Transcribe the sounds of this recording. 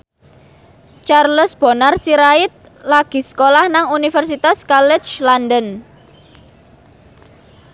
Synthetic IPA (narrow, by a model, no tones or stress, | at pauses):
t͡ʃarləsb̥o̤narsiɾaɪt̪̚ | laɡ̥i̤skolahnaŋunifɛrs̬it̪askalɪt͡ʃlandən